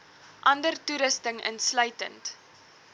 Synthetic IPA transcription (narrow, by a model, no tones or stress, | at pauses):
ʔɐndərtuɾəstəŋə̰nslœɥtə̰nt